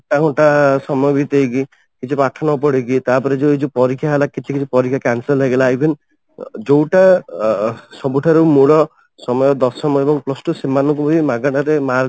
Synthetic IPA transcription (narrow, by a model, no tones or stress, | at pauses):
kaɔ̃ʈasɔmɔjɔbit̪ejki | kit͡ʃʰipaʈʰɔnɔpɔɽekit̪apɔɾed͡ʒowid͡ʒupɔɾikʰjaɦelakit͡ʃʰikit͡ʃʰipɔɾikʰjakansɔlɦeɡelaebʱin | d͡ʒowʈa | sɔbuʈʰaɾemuɭɔ | sɔmɔjɔd̪ɔsɔmɔebɔŋplɔsʈusemanɔkubɔimaɡaʈaɾemaɾ